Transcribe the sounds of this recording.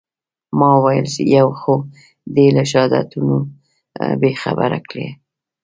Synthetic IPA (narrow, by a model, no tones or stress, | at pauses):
mɑwajəlsḛjawxo | d̪elaʃɑd̪a̰t̪uno | bexa̰baɾa̰kɽḛ